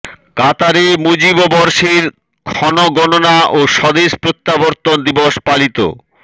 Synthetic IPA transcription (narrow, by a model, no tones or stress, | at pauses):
kat̪aɾemud͡ʑibobɔɾʃiɾ | kʰɔnoɡɔnonaʔoʃɔd̪eʃpɾot̪ːaboɾt̪ond̪iboʃpalit̪o̰